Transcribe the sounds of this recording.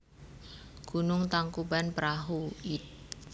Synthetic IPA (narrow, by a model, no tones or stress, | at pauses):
ɡ̥unʊŋt̪aŋkubanpɾaɦuit̪̚